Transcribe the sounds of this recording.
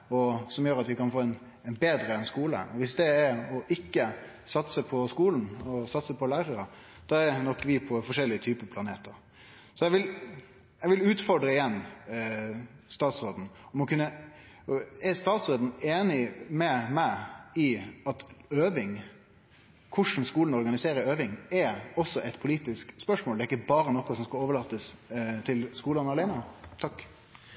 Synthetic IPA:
ɔsɔmjøːɾɑt̪ʋɪkɑnfoːɛn | ɛnbeːd̪ɾəɛnskuːlə̰ɔʋɪsd̪ɛæɾɔʔɪkːə | sɑt̪səpʰɔskuːln̩ɔsɑt̪səpʰɔlæːɾəɾə | d̪̥ɑæɾnɔkːʋɪpʰɔfɔʂɛlːɪət̪ʰyːpəpʰlɑneːt̪əɾ | sɔjɛʋɪl | jɛɡʋɪlʉːt̪fɔɾɖɾəɪjɛnː | st̪ɑːt̪sɾoːd̪n̩ɔmɔkʰʉnːə | ɛɾst̪ɑːt̪sɾoːd̪n̩eːnɪmɛmæɪɪɑt̪øːʋɪŋ | kʰʊʂn̩skuːln̩ɔɾɡɑnɪseːɾəɾøːʋɪŋɛɔsːɔʔɛɪt̪pʰʊliːt̪ɪskspœʂmoːld̪ɛɾɪkːəbɑːɾənɔkːɔsɔmskɑloːʋəɭɑːt̪ːəst̪ʰɪlskuːlɑnɑɾlæɪnət̪ʰɑkː

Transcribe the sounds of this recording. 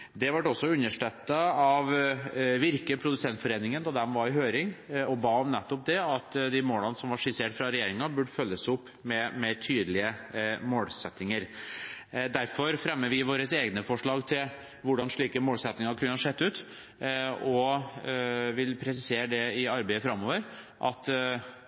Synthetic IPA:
d̪ɛʋɑʈːɔsːɔʉnːəʂʈɛt̪ːəɑʋʋɪɾkəpʰɾʊd̪ʉsɛnt̪fɔɾeːnɪŋənd̪ɑd̪ɛmʋɑɾɪɦøːɾɪŋɔbɑːɔmnɛt̪ːɔp̚d̪ɛɑt̪d̪ɪmoːlɑnəsɔmʋɑʂɪseːʈfɾɑɾɛjeːɾɪŋɑbʉɖfœlːəsʊpːmɛmɛt̪ʰyːd̪lɪəmoːlsɛt̪nɪŋəɾ | d̪æɾfɔɾfɾɛmːəʋɪʋoːɾəseːɡnəfɔʂɭɑːɡt̪ʰɪl | ʋʊɖɑnʂɭiːkəmoːlsɛt̪nɪŋɑɾkʰʉnːəɑʂɛt̪ːʉːt̪ | ɔ | ʋɪlpʰɾɛsɪseːɾəɖ̪ɛɪɑɾbeɪəfɾɑmːoːʋəɾ | ʔɑt̪

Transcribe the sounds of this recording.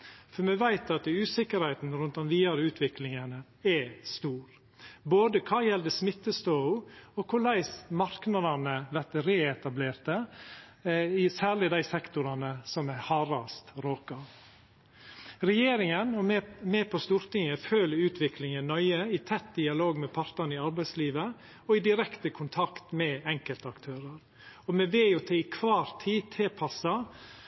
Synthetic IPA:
fɔɾmɛʋæɪt̪ɑt̪ʉːsɪkəɾhæɪt̪n̩ɾʉnt̪ɔnʋiːɑɾəʉːt̪ʰʋɪklɪŋənə | ɛst̪uːɾ | boːd̪əkʰɑːjɛld̪əsmɪt̪ːəst̪ɔʊɔkʰʊlæɪsmɑɾknɑd̪ɑnəʋæɾt̪əɾeːɛt̪ɑbleːɾt̪ə | ɪsæːɭɪd̪æɪsɛkt̪ʊɾɑnəsɔmæhɑːɾɑst̪ɾoːkɑ | ɾɛjeːɾɪŋənɔmɛːpʰɔst̪uːɾt̪ɪŋəføːləʉːt̪ʰʋɪklɪŋənnœʏəɪt̪ʰɛt̪̚d̪ɪɑloːɡmɛpʰɑɾt̪əɳɪɑɾbæɪsliːʋə | ɔɪd̪ɪɾɛkt̪əkʰʊnt̪ʰɑkt̪mɛɛŋkəlt̪əɑkt̪ʰøːɾəɾ | ɔmɛʋeːjʊt̪ʰɛɪkʰʋɑːɾt̪ʰiːt̪ʰɪlpʰɑsɑ

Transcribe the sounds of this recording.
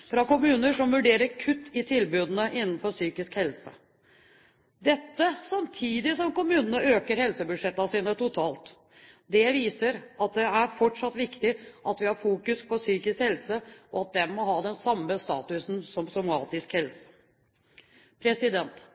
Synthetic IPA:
fɾɑkʊmʉːnəʂɔmʋʉɖeːɾəɾkʰʉt̪ːɪt̪ʰɪlbʉːd̪ənəʔɪnːn̩fɔɾsyːkɪskhɛlsə̰ | d̪ɛt̪ːəsɑmt̪ʰiːd̪ɪsɔmkʊmʉːnənəøːkəɾhɛlsəbʉd̪ʂɛt̪ːɑsiːnət̪ʊt̪ʰɑːlt̪ | d̪ɛʋiːsəɾɑt̪̚d̪ɛæɾfɔʈʂɑt̪ːʋɪkt̪ɪʔɑt̪ʋɪhɑɾfuːkʉspʰɔsyːkɪskhɛlsəɔɑt̪̚d̪ɛmɔɦɑːd̪ɛnsɑmːəst̪ɑ̰ːt̪ʉsnsɔmsɔmɑ̰ːt̪ɪskhɛlsə̥ | pʰɾɛsɪd̪ɛnt̪

